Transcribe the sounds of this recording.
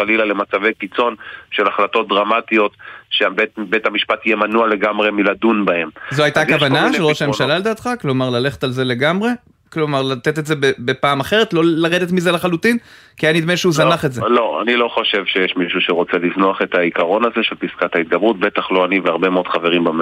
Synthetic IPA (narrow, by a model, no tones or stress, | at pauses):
alilalemat͡savejkit͡so̞nʃelaχlato̞t̪̚dʁamat̪io̞t̪ʃebetbethamiʃpatijemanualeɡamʁe̞miladunbae̞mzoajt̪aakavanaʃelʁoʃaemʃalaled̪aːt̪χaklo̞maʁlale̞χe̥t̪alze̞le̞ɡamʁe̞ | klo̞maʁlat̪e̞t̪e̞tzebebepaːmaχe̞ʁet̪lo̞laʁed̪et̪mizelaχalutin | kianinid̪meʃeuzanaχetzeloa̰nilo̞χo̞ʃe̞vʃejeʃmiʃuʃeʁo̞t͡seliznoaχe̞t̪aikaʁo̞naze̞ʃelpiskathait̪̚ɡabʁutbe̞t̪aχloaniveaʁbemeo̞d̥χaveʁimbam